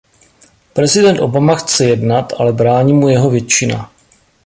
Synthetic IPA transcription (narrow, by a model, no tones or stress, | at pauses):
pɾɛzɪdɛnt̪ʔo̞̰bamaxt͡sɛjɛdnat̪ʔalɛbɾaːɲiːmujɛɦo̞vjɛt͡ʃɪna̰